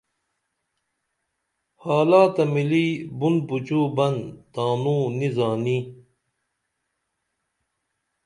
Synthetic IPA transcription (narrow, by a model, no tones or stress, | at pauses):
haːlaːt̪ɐmiliːbunbut͡ɕuːbɐnt̪aːnuːnizaːni